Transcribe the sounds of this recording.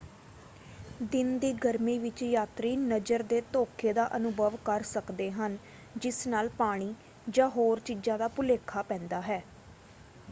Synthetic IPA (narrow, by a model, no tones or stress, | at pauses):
d̪ɪnd̪iːɡəɾmiːʋɪt͡ʃjaːt̪ɾiːnəd͡ʒəɾd̪eːt̪oːkʰeːd̪aːʔənʊbəʋkəɾsəkd̪eːɦən | d͡ʒɪsnaːlpaːɽ̃iː | d͡ʒãːɦoːɾt͡ʃiːd͡ʒãːd̪aːpʊleːkʰːaːpɛ̃ːnd̪aːɦɛː